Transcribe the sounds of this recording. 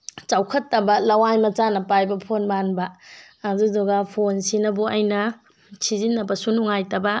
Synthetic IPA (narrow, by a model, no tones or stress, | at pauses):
t͡ʃawkʰɐtːɐbɐlɐwajmɐt͡ʃanɐpajbɐpʰonmanbɐː | dudɔɡapʰonsinɐbuɐjnɐ | sizinːɐbɐsunuŋajtɐbɐ